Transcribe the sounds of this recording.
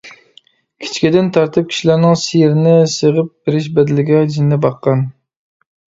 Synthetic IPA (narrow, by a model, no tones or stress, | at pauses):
kʲʰi̥t͡ʃʰkʲid̪ɪnt̪ʰɑɾt̪ɨp̚kʲʰi̥ʃilæɾnɪŋsijɪɾɪnɪsəʁəp̚b̥ɪɾɪʃ̬bɛd̪ɪlɪɡʲɛd͡ʒinːɪbɑqːɑn